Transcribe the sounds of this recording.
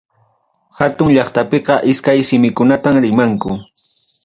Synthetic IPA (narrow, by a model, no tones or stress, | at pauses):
hat̪ʊŋʎɑχt̪apeqɑʔɪskajsɪmɪkʊnat̪amɾɪmaŋkʊ